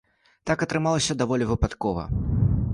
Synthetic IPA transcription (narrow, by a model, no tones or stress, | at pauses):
t̪akɐt̪ɾɨmalˠɐsʲɐd̪avɔlʲivɨpat̪kɔvɐ̰